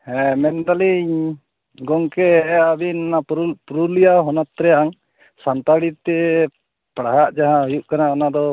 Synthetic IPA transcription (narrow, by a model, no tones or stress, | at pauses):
hɛmɛnd̪aliɲ | ɡɔŋkɛabinnaɾpɾulijaɦɔnat̪ɾɛjaʔaŋ | sant̪aɽitt̪ɛ | pɽaɦaʔd͡ʒaɦãɔjuʔ̚kanaɔnad̪ɔ